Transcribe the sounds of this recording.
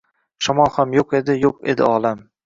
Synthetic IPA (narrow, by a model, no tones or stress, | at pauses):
ʃɒmɒhamjoqe̞d̪ɪjoqḛd̪ɪ̰ɒlˠam